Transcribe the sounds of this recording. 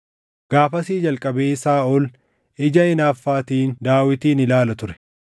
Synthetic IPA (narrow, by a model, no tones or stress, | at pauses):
ɡ̥aːfɐsiːd͡ʒɐlkʼɐbeːsaːɔl | ʔɪd͡ʒɐɪnaːfːaːt̪iːnd̪aːwɪt̪iːnɪlaːlɐt̪ʊɾɛ̥